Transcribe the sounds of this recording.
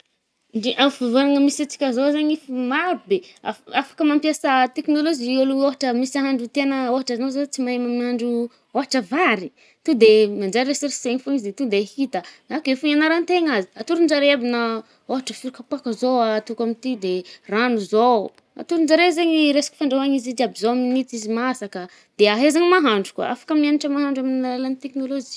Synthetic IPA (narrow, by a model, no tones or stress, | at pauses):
iʔavavoɾaŋəmisat͡si̥kʲazozaɲifimabia̰afḁkəmampjasət̪eknolod͡ʒioluoɦaʈ͡ʂəmisaɦaɳɖ͡ʐut̪enəoɦaʈ͡ʂaanozat͡simaemamiaɳɖ͡ʐu | oɦaʈ͡ʂəvaɾi | t̪ud̪emand͡ʒaɾesiɾiseɲifunizd̪et̪ud̪ehit̪ənakefuɲanaɾant̪eŋazi̥at̪uɾund͡ʒaɾeabinə | oɦaʈ͡ʂəfiɾukapakəzowat̪ukamit̪id̪eranuzo | a̰t̪uɾund͡ʒaɾezeɲiɾesḁki̥faɳɖ͡ʐaɦaɲizid̪iabizoaminit͡s̪izimasakə | d̪̥eaɦezaŋimaɦaɳɖ͡ʐu̥kwa̰ʔa̰fḁkəmianiʈ͡ʂəmaɦaɳɖ͡ʐamininalalanit̪eknolod͡ʒi